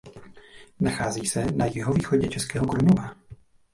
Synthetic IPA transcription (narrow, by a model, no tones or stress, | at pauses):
naxaːziːsɛnajɪɦoviːxoɟɛt͡ʃɛskɛːɦokɾumova